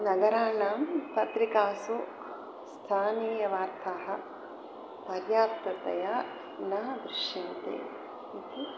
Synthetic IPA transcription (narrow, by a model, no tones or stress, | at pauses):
nɐɡɐɾaːnaːmpɐt̪ɾikaːsu | st̪ʰaːniːjɐʋaːɾt̪ʰaɦɐ̆ | pɐɾjaːt̪ɾɐt̪ɐ̰jaː | nɐːd̪ɾɪʃjɐnt̪ḛː | it̪i